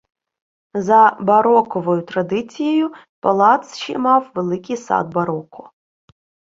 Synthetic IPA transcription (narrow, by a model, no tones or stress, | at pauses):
zɐbɐɾɔkɔʋɔjʊt̪ɾɐd̪ɪt͡sʲijɔjʊ | pɐlˠɑt̪sʃɛmɑwʋelˠɪkʲijsɑ̰d̪̚bɐɾɔkʊ